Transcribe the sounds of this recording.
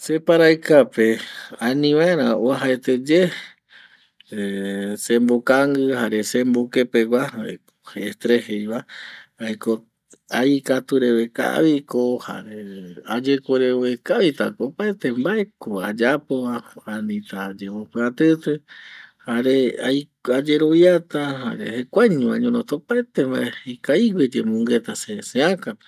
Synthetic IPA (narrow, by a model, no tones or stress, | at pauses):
se̞paɾajkapeãnĩʋãeɾ̃ãoaɦaet̪e̞d͡ʒe | sẽmbokaŋɡɨhaɾe̞sembokepe̞ɡʷa̰ | oheːst̪ɾehejβaajko | ajkat̪uɾe̞ʋe̞ka̰βiko̞ha̰ɾead͡ʒekʷeɾeoekaβit̪a̰kopaet̪embae̞koad͡ʒapoaanĩt̪ad͡ʒeβopɨat̪ɨt̪ehaɾeaj | ad͡ʒe̞ɾoβjat̪aɦaɾehekʷaɲũãɲõnõt̪opaet̪emba̰ehekaiɡʷed͡ʒemũŋɡe̞t̪aseseãka